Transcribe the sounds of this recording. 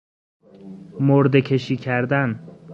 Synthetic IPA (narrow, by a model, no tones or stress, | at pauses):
moɾd̪e̞kʰe̞ʃiːcʰæɾd̪æn